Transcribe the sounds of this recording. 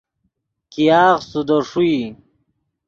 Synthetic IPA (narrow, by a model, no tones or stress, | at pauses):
kijaːʁsud̪oʂui